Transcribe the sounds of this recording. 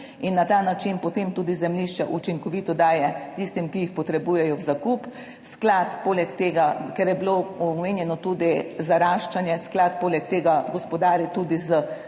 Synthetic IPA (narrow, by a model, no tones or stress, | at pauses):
inːat̪aːnat͡ʃinpɔt̪eːmt̪uːd̪izɛmliʃt͡ʃɛʔut͡ʃiŋkɔʋiːt̪ɔd̪aːjɛt̪ist̪imkijixpɔt̪ɾɛbuːjɛjɔwzakup | sklat̪poːlɛkt̪eːɡakɛɾjɛbiloɔmeːnjɛnɔt̪uːd̪izaɾaːʃt͡ʃanjɛsklat̪̚poːlɛk̚t̪eːɡaɡɔspɔd̪aːɾit̪uːd̪izə